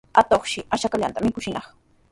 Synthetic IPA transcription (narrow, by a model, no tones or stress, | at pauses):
at̪oχʃɪaʃakaʎa̰nt̪amɪkʊʃɪnɑχ